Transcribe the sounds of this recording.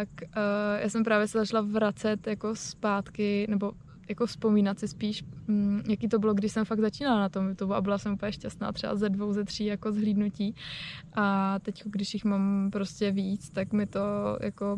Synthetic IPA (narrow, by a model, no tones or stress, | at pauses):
t̪akːjʔaːsɛmpɾaːvjɛsɛzat͡ʃlavɾat͡sɛt̪jako̞spaːt̪kɪnɛbo̞ | jako̞fspo̞miːnat̪sɪspiːʃm̩jakiːt̪o̞bɪloɡdɪʃsɛmfaɡzat͡ʃiːnalanat̪o̞mjut̪ubua̰bɪlasɛmuːpəɲɛʃcast̪na̰ːt̪r̝̥ɛba̰zɛdvo̞wzɛt̪r̝̥iːjako̞zɦliːdnuciːʔat̪ɛckoɡdɪʃjɪxmampɾoscɛviːt͡st̪akmɪt̪oja̰ko